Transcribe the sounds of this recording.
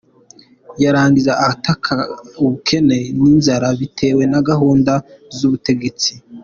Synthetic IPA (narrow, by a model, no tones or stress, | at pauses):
jaɾaːŋɡizaʔːatʰakʰauβukʰe̞ne̞niːnzaɾaβitʰe̞ːwe̞naɡaɦoːndazuβute̞ɡe̞t͡si